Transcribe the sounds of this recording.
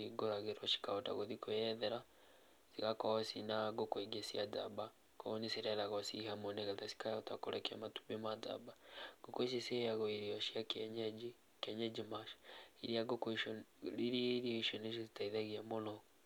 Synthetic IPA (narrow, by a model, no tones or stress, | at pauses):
iɡoɾaɣeɾɔʃi̥kaota̰ɣoðikojɛðɛɾa | siɣakɔɔsinaɡokweɡesiad͡za̰ba | kɔnesiɾalaɣɔsḭɦamoneɣatasi̥kajɔtakoɾɛkɛa̰matu̥bemad͡za̰baɡ̥okois̬isejaɣɔiɾiɔʃiak | kɛɲɛd͡ʒimaʃiɾiaɡokɾiɾiɾioʃɔneʃ̬izitaiðaɣiamonɔ